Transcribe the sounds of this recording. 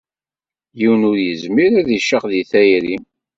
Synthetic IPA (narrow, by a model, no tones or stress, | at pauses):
jiwənʊɾjəzmiɾæðiʃəqðiθæjɾi